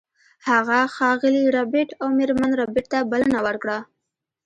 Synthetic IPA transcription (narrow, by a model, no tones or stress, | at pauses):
haɣaxɑɣɪliɾɑbeʈawmɪɾmanɾɑbɪʈ̚t̪abalənawəɾkɽa